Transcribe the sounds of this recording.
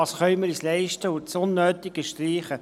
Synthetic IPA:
ɑsχœʏməɾislɛɪʃtəʊt͡sʊnːøːt̪ɪɡ̥əʃtriːχə

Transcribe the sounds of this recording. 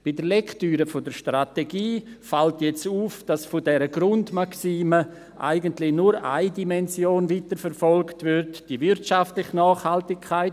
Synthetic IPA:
b̥idəɾlɛktyːɾəfodəɾʃtrateɡiːfaltjɛt͡suːfd̥asfodɛɾəɡɾʊndmaksiːmə | ʔa̰ɪɡəntlɪnuɾa̰ɪdimɛnzjoːnvitəɾfəɾfɔlktvʏɾtd̥ivɪɾtʃaftlɪxnɑːχhaltɪkʰːaɪt

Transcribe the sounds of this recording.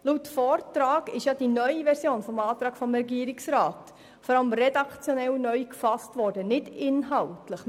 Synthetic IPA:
luːtfɔːrtɾaːɡɪʃjɑːd̥inœʏiʋɛɾsjoːnfɔmɑːtɾɑːɡ̥fɔmɾɛɡiəɾɪksɾaːt | fɔɾɑləmɾɛdɑkt͡sjɔnɛlnœʏkfɑstvɔːɾdənɪdɪnɦɑltləχ

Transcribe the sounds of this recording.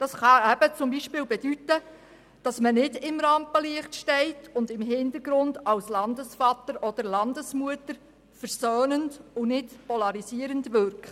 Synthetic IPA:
d̥ɑsχɑɛb̥ət͡sʊmbiʃpɪːlbɛd̥ytə | d̥ɑsmənɪdɪmɾɑmpəliəχtʃtɛɪtʰʊndɪmɦɪndəɾɡɾʊndɑlslɑndəsfɑt̪əɾʔɔd̥əɾlɑndəsmuətəɾ | fəɾsøːnəndʊnɪtpɔlɑɾisiəɾəndʋʏɾkχt

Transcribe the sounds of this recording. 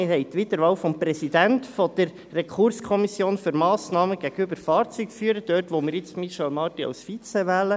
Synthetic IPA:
ɪhɛɪt̪ʋitəɾʋɑːwfɔmpɾɛsidæntfɔd̥̪əɾːɛkʰuɾskʰɔmisjoːnføɾmɑːsnɑːməɡ̥æɡ̥əybəɾfɑːɾt͡sykfyəɾəd̥̪øːrtʋɔmiːɾjɪt͡smiʃɛlmɑːtiɑ̰wsfit͡sɛʋɛːlə

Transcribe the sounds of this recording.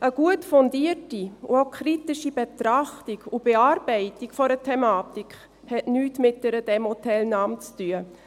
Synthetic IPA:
ʔəɡ̥uətfɔndiətiṵaʊkʰɾitiʃib̥ɛtɾaχtiɡub̥eaːɾb̥ɛɪtikfɔɾətʰɛmaːtikχ | hɛtnyːtmɪt̚d̥ɛɾəd̥ɛmhɔtʰɛlnɑːmt͡styə

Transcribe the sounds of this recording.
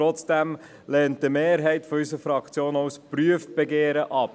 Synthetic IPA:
ɔt͡sd̥æm | lɛːntd̥əmeːɾɦɛɪtfɔysəɾfɾɑkt͡sjoːnaʊspɾyəft̚b̥eɡeːɾəʔɑp

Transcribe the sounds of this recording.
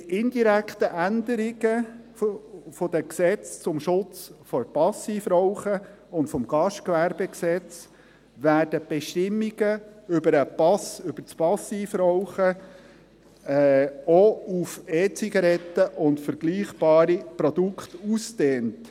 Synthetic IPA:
ʔɪndiɾækt̪əʔænd̪əɾɪɡə | fɔdəksɛt͡st͡sʊmʃʊt͡sfɔɾpɑsiːfɾɔʊχə | ʊntfɔmɡ̥ɑʃt̚kʋæɾbɛksɛt͡s | ʋæːɾd̥əb̥ɛʃtɪmːiɡ̥əʏbəɾəpɑsʏb̥ət͡spɑsiːfɾɔʊχə | ɔufeːt͡siɡɑɾɛt̪ːəʔʊntfəɾɡ̥liːχb̥ɑːɾipɾɔd̪ukχt̪usteːnt

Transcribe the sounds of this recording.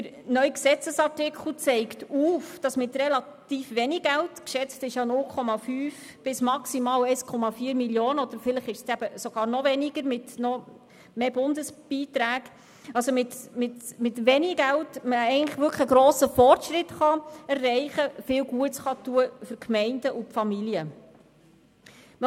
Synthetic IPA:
əɾ | nœʏksɛt͡səsɑɾtɪkʰχl̩ˠt͡sɛɪktuːfd̥ɑsmɪtrɛlɑt̪iːfʋɛnɪɡɡæltkʃɛt͡stɪʃjɑnʊlkʰɔmɑfyːf | b̥ɪsmɑksimɑːlɛɪskʰɔmɑfiːəɾmiljoːnəɔd̥̪əɾfɪləχɪʃsæb̥əsoɡɑːɾnɔvɛnɪɡəɾmɪtnɔ | meːbʊndəsb̥iːtɾæːɡ | ɑlsomɪtmɪtmɪtʋɛnɪɡæltməɛɪɡəntləχʋʏɾkʰχəɡɾɔːsəfɔrtʃɾɪtχɑɛrːɛɪχəfɪːwɡuətsχɑtuəfʏɾkʰmɛɪndəʔupfɑmiljə

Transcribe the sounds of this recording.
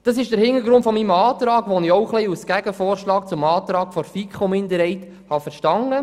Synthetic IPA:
d̥ɑs̬ɪʃd̥əɾhɪŋəɾɡɾʊntfɔmimɑːtɾɑːɡʋɔnɪɔʊχlɛɪusɡ̥æɡəfoːɾʃlɑːkt͡sʊmɑːt̪ɾɑːɡ̥fɔɾfikχomɪndəɾhɛɪt | hɑfəɾʃtɑŋːə

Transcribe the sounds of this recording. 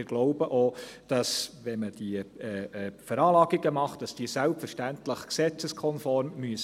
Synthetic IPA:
ɪɾɡ̥lɔʊbəʔod̥ɑsʋɛnməd̥iəɛːɛfæɾɑːlɑːɡiɡəmɑχtd̥ɑsd̥iːəsælpfəɾʃtæntləχksɛt͡səskʰɔnfɔrmːyəs

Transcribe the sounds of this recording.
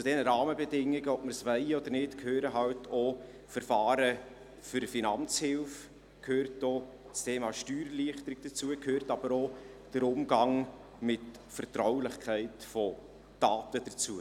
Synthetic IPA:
t͡sud̥ɛnəɾɑːməbɛdɪŋːiɡəɔpməɾsʋɛɪɔd̪əɾnɪtkʰhøːɾəɦɑwtʰɔ | fəɾfɑːɾə | fʏɾəfinɑnt͡shɪlf | kʰhøːrto | t͡stʰeːmɑːʃtyːɾliəχtəɾɪɡ̥̚d̥ət͡suəkʰhøːɾtɑb̥əɾo | d̥əɾʊmɡɑŋ | mɪt | fəɾtɾawlɪχkʰæɪtfɔ | d̥ɑːtəd̥ət͡suə

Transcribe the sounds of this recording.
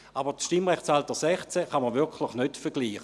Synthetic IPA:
abətʃtimʁɛχshaltəsɛχt͡sɛχaməʋɪɐkʰlɪχnøtfɛɡ̥liːχə

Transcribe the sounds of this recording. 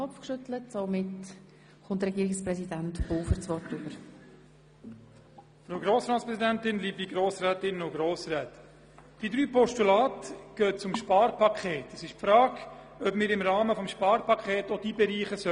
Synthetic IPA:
ɔpfkʃʏtlətsomɪt | χʊntrɛɡiːɾɪksprɛsidæntb̥oːfəɾt͡sʋɔrtʏb̥əɾ | fɾoːɡɾoːsɾɑːtspɾɛsidæntɪnliːbiɡɾoːsrɛːtɪnʊɡɾoːsɾɛːt | d̥id̪ɾyːpɔʃtulɑːtɡ̥øːt̚t͡sʊmʃpɑːɾpɑkʰχeːtəsɪʃpfɾaːɡ | œpmɪːɾɪmɾɑːməfɔmʃpɑːɾpɑkχeːtod̥ibɛɾiːχəsœ

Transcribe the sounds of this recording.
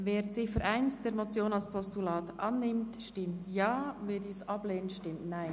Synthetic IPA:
veːɾt͡sɪfəɾʔaɪnsd̥eːɾmot͡sjoːnɑlspʰɔstulɑːtʔɑnːɪmtʃtɪmtjɑːveːɾdiːsɑb̥leːnənʃtɪmtnaɪn

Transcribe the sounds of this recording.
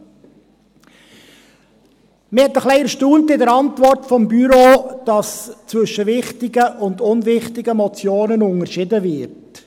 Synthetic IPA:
mɪhɛt̪əχlɛɪɛɾʃtuːntɪdəɾɑntvɔrtfɔmbyɾoːd̥ɑst͡sʋʏʃːəʋɪχtɪɡəʔʊndʊnvɪχtɪɡəmɔt͡sjoːnənʊŋəɾʃɪdəvɪɾt

